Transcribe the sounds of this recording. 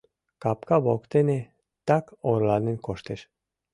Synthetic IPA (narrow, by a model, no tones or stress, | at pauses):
kɑp̚kɑβokt̪ene | t̪ɑkoɾlɑnenkoʃt̪eʃ